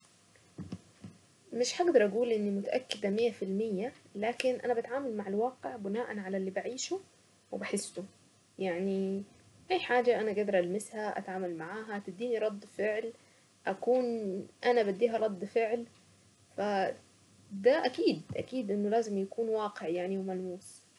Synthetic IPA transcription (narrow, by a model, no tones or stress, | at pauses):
mɪʃħaɡd̪ɑɾˤʔæɡuːlʔɪnːimʊt̪aʔækːɪd̪æmejːæfɪlmɪjːælæːkɪnʔæ̰næbæt̪ʕaːmælmaʕalwɑːqeʕbɪnaːʔænʕalælːiːbaʕiːʃu | wɪbaħɪsːʊ | jaʕni | ʔæjħaːd͡ʒæʔænæɡæd̪ɑɾˤʔælmɪshæʔæ̰t̪ʕaːmælmaʕaːɦæt̪ɪd̪ːiːniɾˤɑd̪ˤːfeʕl | ʔækuːnʔænæbæd̪ːiːɦæɾˤɑd̪ˤːfɪʕl | fæ | d̪æʔækiːd̪ʔæ̰kiːd̪ʔɪnːolæːzɪmjakuːnwaːqeʕjaʕniwemælmuːs